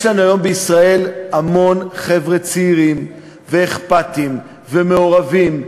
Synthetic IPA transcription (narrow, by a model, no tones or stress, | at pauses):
jʃlanuajo̞mbeisʁae̞lamo̞nχe̞vʁet͡siːʁim | veːχpatim | ve̞me̞o̞ʁavim